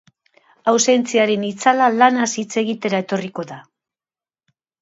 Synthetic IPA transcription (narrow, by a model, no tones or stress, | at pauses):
awse̞nt͡siaɾe̞nit͡salalanasit͡se̞ɣ̞it̪e̞ɾae̞t̪o̞riko̞ða